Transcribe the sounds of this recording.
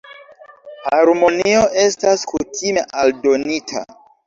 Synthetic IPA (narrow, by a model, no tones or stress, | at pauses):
haɾmo̞nioʔe̞staskutime̞ʔaldo̞nitʰa̰